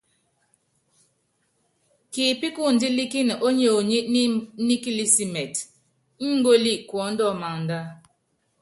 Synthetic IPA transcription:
ki˨pi˦ku˦˨n̩˨˦di˦li˦ki˦n˨ʔo˦ɲo˨ɲi˦ʔni˦ni˦ki˦li˦si˦mɛ˨t | ŋ̩˦ŋ̩˦ɡo˦li˦˨ʔkwɔ˨˦n̩˦dɔ˦˨ma˨ŋn̩˨da˦

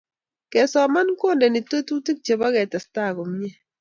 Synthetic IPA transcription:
kɛ˨sɔ˨ma˦nkwo˦ndɛ˨ni˨to˦tu˦ti˦k̚t͡ʃe˨ba˦kɛ˨tɛ˨sta˦˨ɡo˨mɲe˦

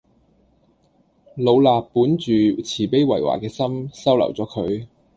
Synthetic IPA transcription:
lo˨˧wlaː˨pːuː˨˥nt͡ʃyː˨t͡sʰiː˨˩pe˥jwɐ˨˩jwa̰ː˨˩kɛː˧sɐ˥msɐ˥wlɐ̰˨˩wt͡sɔː˨˥kʰɵ˨˧ɥ

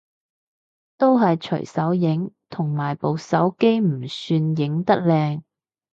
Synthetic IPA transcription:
t̪o˥wɦɐ˨jt͡ʃʰɵ̰˨˩ɥsɐ˨˥wjɪ˨˥ŋt̪ʰʊ˨˩ŋmaː˨˩jpo˨wsɐ˨˥wke˥jm̩˨˩syː˧njɪ˨˥ŋt̪ɐ˥k̚lɛː˧ŋ

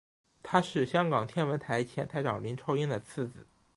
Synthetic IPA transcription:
t̪ʰa˥ʂɻ̩˥˩ɕjɑ˥ŋkɑ˨˩ŋt̪ʰjɛ˥˩nwə˧˥nt̪ʰa˧˥ɪt͡ɕʰjɛ˧˥nt̪ʰa˥ɪʈ͡ʂɑ˨˩ŋli˧˥nʈ͡ʂʰo˧˥ʊi˥ŋd̪ə˨t͡sʰɹ̩˥˩t͡sɹ̩˨˩˦

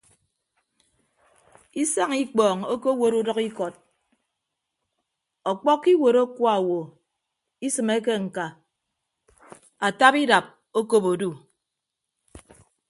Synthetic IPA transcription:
i˦sa˦ŋi˦k͡pɔː˨ŋo˦ko˦wo˨ɾu˦dɔ˦ki˦kɔ˨t̚ | ɔ˨k͡pɔ˦kːi˦wo˨ɾo˦kwa˨wo˨ | i˦sɨ˨me˦k̬e˦ŋ̩˨ka˨ | a˨ta˦pi˦da˨p̚ | o˦ko˦po˨du˦˨

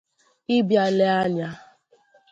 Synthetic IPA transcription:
ɪ˦bja˨le˦a˦ɲa˦

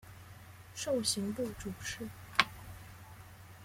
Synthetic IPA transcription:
ʂo˥˩ʊɕi˧˥ŋpu˥˩ʈ͡ʂu˨˩ʈ͡ʂʰɻ̩˥˦

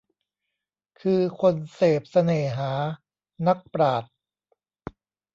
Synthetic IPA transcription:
kʰɯː˧kʰo˧nseː˨˩p̚sa˧neː˨˩ɦaː˩˦ | na˦˥k̚pɾaː˨˩t̪̚

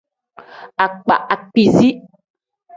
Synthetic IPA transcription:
a˨k͡pa̰˨ʔa˨k͡pi˨zi˦

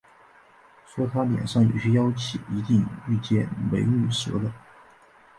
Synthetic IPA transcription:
ʂwɔ˥t̪ʰa˥ljɛ̰˨˩nʂɑ˥˩ŋjo̰˨˩ɕy˥jɑ˥ʊt͡ɕʰḭ˨˩i˧˥t̪i˥˧ŋy˥˧t͡ɕjɛ˥˩nwḛ˧˥ɪly˥˩ʂɤ̰˧˥d̪ə˧

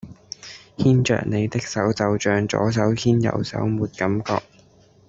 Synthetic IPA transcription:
hiː˥nt͡ʃœ̰ː˨k̚ne˨˧jt̪ɪ˥k̚sɐ˨˥wt͡sɐ˨˧wt͡ʃœː˨˧ŋt͡sɔ̰ː˨˥s̬ɐ˨˥whiː˥njɐ̰˨˩wsɐ̰˨˥wmuː˨˧t̚kɐ˨˥mkɔː˧k̚

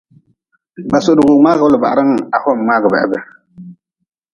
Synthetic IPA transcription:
ba˨sʊ˨dʊ˨ɣʊ˨ŋ͡maː˦ɣʊ˦lʊ˨ba˨a˨ɾɨ˦ŋ˨a˨hɔ˦m˨ŋ͡maː˦ɡɨ˨bɛ̰˨ʔɛ̰˦bɛ˨

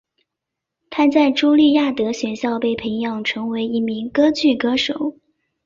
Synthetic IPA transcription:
t̪ʰa˥t͡sa˥˩ɪʈ͡ʂu˥ʊli˥˧ja˥˩t̪ɤ˧˥ɕɥɛ˨˩nɕjɑ˥˧ʊpe˥˩ɪpʰə˧˥ŋjɑ˨˩ŋʈ͡ʂʰɤ˧˥ŋwe˧˥ɪi˥˩mi˧˥ŋkɤ˥t͡ɕy˥˩kɤ˥ʂo˨˩˦ʊ

